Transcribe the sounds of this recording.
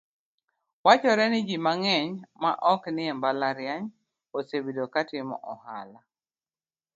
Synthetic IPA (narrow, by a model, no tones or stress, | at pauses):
wat͡ʃɔɾɛnɪd͡ʒimaŋɛɲma̰ʔɔknɪɛmbalaɾjaɲ | osebidokatɪmɔ̰ʔɔha̰la